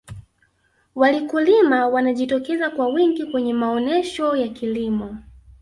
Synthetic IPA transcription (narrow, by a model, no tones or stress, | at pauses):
walikulimawanaʄitɔkɛzakwawiŋɡikwɛɲɛmaɔnɛʃɔjakilimɔ